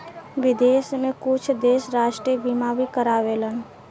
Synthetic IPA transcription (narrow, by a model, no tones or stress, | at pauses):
ʋɪd̪eːsmẽkʊt͡ʃʰd̪eːʃɾaːʃʈɾibimaːbikəɾaːʋeːlən